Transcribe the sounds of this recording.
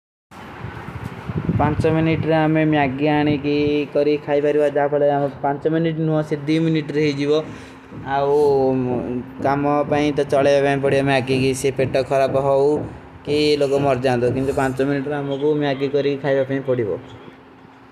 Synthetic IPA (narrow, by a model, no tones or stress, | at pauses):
pant͡ʃɔminiʈɾamemjaɡiaɽ̃ikikɔɾikʰajbaɾibad͡ʒapʰɔleamepant͡ʃɔminiʈnuɔ̃sed̪iminiʈɾɔɦid͡ʒibɔ | aw | kamɔpaĩt̪ɔt͡ʃɔɭabapaĩp̬ɔɽ̤ibameaɡikisepeʈɔkʰɔɾapɔɦɔw | kilokɔmɔɾd͡ʒand̪ɔkint̪upant͡ʃɔminiʈɾamɔkumiaɡikɔɾikikʰajbapaĩpɔɽibɔ̰